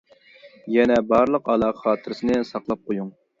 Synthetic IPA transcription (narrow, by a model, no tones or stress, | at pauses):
jɛnɛbɑɾlˠəqɑlˠɑːχχɑːt̪ʰɨɾɨsɨnɨɛsɑqlˠɑp̚qʰojuŋ